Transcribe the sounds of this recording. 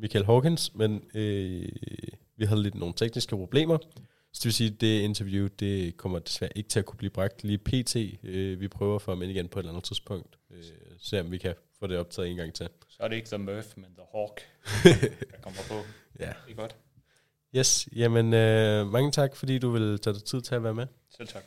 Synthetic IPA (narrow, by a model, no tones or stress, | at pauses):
mikʰælɦɒːkʰensmenø | ʋiɦæð̞ˠle̝d̥no̝ːn̩t͡sʰeɡ̥nisɡ̥əpʰʁo̝b̥le̝̰ːmɐ | sɒd̥eʋe̝lsiːd̥e̝e̝nt͡sʰɐʋjud̥e̝kʰɒ̽m̰ɐd̥e̝sʋæɐʔe̝ɡ̥ə̥t͡sʰe̝lækʰub̥liːb̥ʁɑ̈ɡ̥̚d̥liːpʰe̝̰ːt͡sʰe̝̰ːøʋipʰʁœːʊɐfɒ̽æmeniɡ̥enpʰɒ̽e̝lænð̩ˠt͡sʰisb̥ɔ̽ŋ̰d̥øse̝ɒ̽mʋikʰæfɔ̰ːɾ̥e̝ɒ̽b̥t͡sʰɛ̰ðˠe̝ːnɡ̥ɑ̈ŋ̰t͡sʰe̝lsɒɐdɾeeɡ̥dɛmøfmenð̥ɐhɒɡ̥ | kʰɒmɐpʰɔ | jæɡ̥ɔd̥ | jesjæmənømɑ̈ŋət͡sʰɑ̈ɡ̥fɒ̽d̥ḭːd̥uʋe̝lt͡sʰɛ̰ːd̥aɪt͡sʰið̞̰ˠt͡sʰe̝læʋæːɐme | set͡sʰɑɡ̥